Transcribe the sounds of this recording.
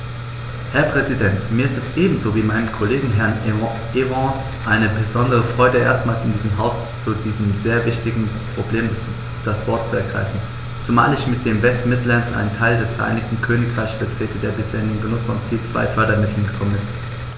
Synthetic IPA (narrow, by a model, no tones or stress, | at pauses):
hɛɐpʁ̥ɛzidɛntmiːɐɪstɛsʔeːbm̩zoːviːmaɪnəmkʰoleːɡŋ̩ɦɛɐn | ʔevɑ̃s | ʔaɪnəbəzɔndəʁ̞əfʁ̥ɔʏdəʔḛːɐstmaːlsɪndiːzəmɦaʊs | t͡sudiːzəmzeːɐvɪçtɪɡŋ̩ | pʁ̥obleːm | d̥asv̥ɔɐt̚t͡suɛɐɡʁa̰ɪfn̩ | t͡suma̰ːlɪçmɪt̚d̥eːmvɛstmɪtlansʔa̰ɪnəntʰaɪldɛsfɛɐʔa̰ɪnɪk̚tn̩kʰøːnɪkʁ̥aɪçsfɛɐtʁ̥eːtədeːɐbɪsheːɐɪnenɡənʊsfɔnt͡siːlt͡sv̥a̰ɪfœɐdɾɐmɪtʰl̩n̩ɡəkʰɔmənɪst